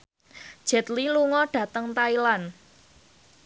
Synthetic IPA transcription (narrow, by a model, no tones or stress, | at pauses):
d̥ʒ̥ɛ̤t̪liluŋɔɖ̥ä̤t̪əŋt̪ailan